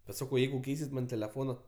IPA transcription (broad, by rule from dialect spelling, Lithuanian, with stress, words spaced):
bʲɛt ˈsɑːkɐʊ ˈjɛɪɡʊ ˈkʲɛɪsʲɪt ˈmɐn tʲɛlʲɛˈfoːnɐ